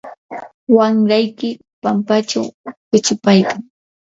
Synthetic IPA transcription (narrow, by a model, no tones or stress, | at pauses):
waŋɾajkɪ | pampat͡ʃa̰wpɪt͡ʃʊpajkaŋ